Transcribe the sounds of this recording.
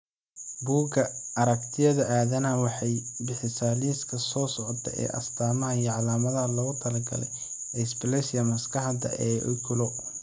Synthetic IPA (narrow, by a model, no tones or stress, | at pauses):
buːɡɐɐɾɐkt̪ʰɪjɐðɐʔaːðɐnɐwɑħɑjbɪħɪsaːliːskʰɐsɔːsɔʕɔt̪ʰɐ̰ʔɛ̰ːʔɐ̰st̪ʰaːmɐɐjɐʕɑlaːmɐðɐɐlɐɣʊt̪ʰɐlɐɡɐ̰lɛ̰j | ɛsblɛsɪjɐmɐskʰɐħd̪ɐ̰ʔɛːʔʊ̰kʰʊlɔ